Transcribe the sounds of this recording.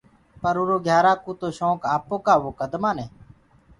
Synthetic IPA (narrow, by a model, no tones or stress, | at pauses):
pəɾuːɾoːɡʱjaːɾaːkuːt̪oːʃõːkaːpoːkaːʋʊkəd̪maːneː